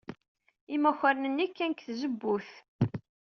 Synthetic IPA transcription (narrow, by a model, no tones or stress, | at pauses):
imæçəɾnənːikːænkθzəbːuθ